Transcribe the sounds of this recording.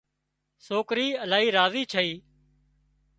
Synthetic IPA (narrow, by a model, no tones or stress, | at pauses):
soːkɾiːəlaːɦiːɾaːziːt͡ʃʰəiː